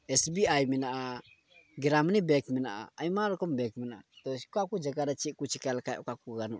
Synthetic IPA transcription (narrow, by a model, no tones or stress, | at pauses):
ɛsbiajminaʔa | ɡiɾamnibekmina̰a̰ajmaɾkɔmbɛkminaat̪oskakud͡ʒaɡaɾat͡ʃikut͡ʃikalkajkakuɡanṵ